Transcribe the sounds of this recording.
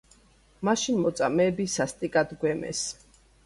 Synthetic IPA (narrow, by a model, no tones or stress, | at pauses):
maʃinmɔt̪sʼamɛːbisast̪ʼikʼad̪ɡwɛmɛ̰s